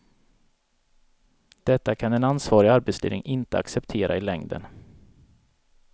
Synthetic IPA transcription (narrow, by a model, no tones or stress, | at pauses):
d̪̥ɛt̪ːakʰanɛnansvɑːɾɪaɾbet̪slḛːnɪŋʔɪnt̪əa̰ksɛpt̪ʰeːɾʔa̰ɪlɛŋd̪ə̰n